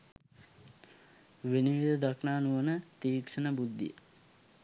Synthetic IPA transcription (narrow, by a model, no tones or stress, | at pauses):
ʋeniʋid̪ɐd̪ɐkʰnaːnuʋənət̪iːkʂənəbud̪ːḭjə̰